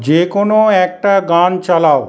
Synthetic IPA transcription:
d͡ʑekonoɛk̚ʈaɡant͡ɕalao

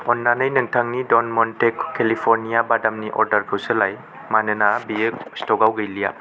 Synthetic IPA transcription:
ɔnːanɐjnɯŋtʰaŋnidonmɔntekʰːelipʰoɾnijabadamniʔɔɾdɐɾkʰɯwselaj | manɯnabiekstɔɡawɡɐjlija

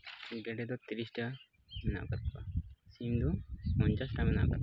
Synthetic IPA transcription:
ɡɛɖɛd̪ɔt̪iɾisʈa | mɛna̰ʔkat̪̚ba̰simd̪umɔɲt͡ʃasʈamɛna̰ʔka̰t̪

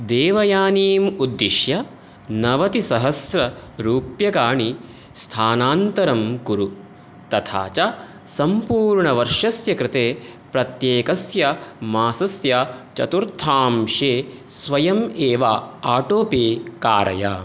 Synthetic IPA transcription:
d̪eːʋɐjaːniːmud̪ːiʃjɐ | nɐʋɐt̪isɐɦɐsɾɐɾuːpjɐɡaːɳi | st̪ʰaːnaːnt̪ɐɾɐmkuɾu | t̪ɐt̪ʰa̰ːt͡ʃɐ | sɐmpuːɾɳɐʋɐɾʂɐsjɐkɾɪt̪eːpɾɐt̪jeːkɐsjɐmaːsɐsjɐt͡ʃɐ̰t̪uɾt̪ʰaːmʃeːsʋɐjɐmeːʋaaːʈoːpeːkaːɾɐ̰ja̰ː

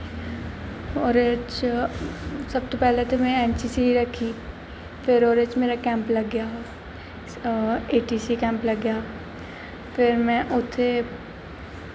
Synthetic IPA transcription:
oːɾet͡ʃ | sɐb̚t̪opɛɦlet̪omɛ̃ɛːnt͡ʃisiɾɐkʰi | fɪɾoːɾet͡ʃmeːɾakɛ̃ːmplɐɡjaː | eːʈiːsikɛ̃ːmplɐɡjaː | fɪɾmɛ̃ʔʊt̪ʰe

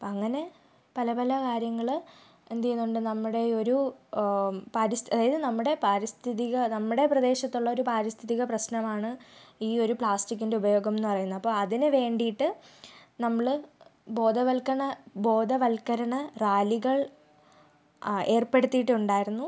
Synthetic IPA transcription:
ɐpːoːɐŋːɐne̞ | pɐlɐpɐlɐkaːɾjɐŋːɐɭ | end̪ijunːuɳɖɨnɐmːuɽe̞o̞ɾu | paːɾist̪ɐðaːjɐðɨnɐmːuɽe̞paːɾist̪ʰiðiɣɐnɐmːuɽe̞prɐd̪e̞ːɕɐt̪ːuɭːɐo̞ɾupaːɾist̪ʰiðiɣɐprɐsɕnɐmaːɳɨiːo̞ɾupɭaːstik̬ʲːindeubɐjo̞ːɡɐme̞nːɨpɐrɐjunːuɐpːo̞ːɐðinɨʋe̞ːɳɖijiʈːɨnɐmːɐɭɨbo̞ːd̪ɐʋɐlkɐɳɐbo̞ːd̪ɐʋɐlkɐɾɐɳɐraːliɣɐɭ | e̞ːrpe̞ɽut̪ːijiʈːɨuɳɖaːjiɾunːu

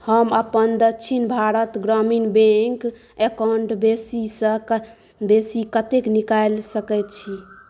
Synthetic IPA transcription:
həməpənd̪əkːt͡ʃʰinbʱaɾət̪ɡɾəminbẽŋk | ekaɳʈbesisə̃ | besikət̪eknikajlsəkɛt̪t͡ʃʰi

